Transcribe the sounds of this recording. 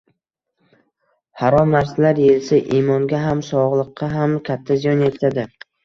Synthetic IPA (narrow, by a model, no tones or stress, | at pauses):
haɾɒmnaɾsalaɾjelsɪʔimɒŋɡʲaɦamsɒʁlˠɨqːɑɦamkʲʰat̪ʰːazijɒnjet̪ʰad̪ɪ